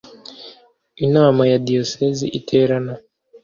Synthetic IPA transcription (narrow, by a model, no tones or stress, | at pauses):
inawamajadiɔsɛziʔitʰɛɾana